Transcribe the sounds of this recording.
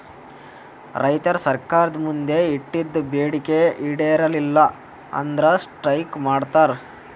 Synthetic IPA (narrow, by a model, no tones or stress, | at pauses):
ɾɐjt̪ɐɾsɐɾkaːɾɐd̪mund̪e̞iʈːid̪ːbeːɽikeiɽeɾɐlilːɐ | ɐ̰nd̪ɾɐsʈɾɐjkmaːɽt̪aːɾ